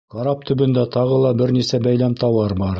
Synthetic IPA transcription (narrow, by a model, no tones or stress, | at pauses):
qɑɾɑp̚t̪ʰɵ̆bɵ̆nd̪æt̪ɑʁɤlˠɑbɘɾnisæbæjlæmt̪ɑwɑɾbɑɾ